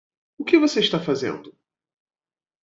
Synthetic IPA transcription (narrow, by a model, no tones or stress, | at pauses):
ʊkɪvoseiʃt̪afazḛ̃nd̪ʊ